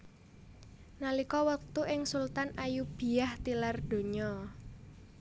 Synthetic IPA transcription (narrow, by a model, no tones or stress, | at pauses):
nalikɔwək̚t̪uʔɪŋsult̪anajub̥i̤aht̪ilard̪̥o̤ɲɔ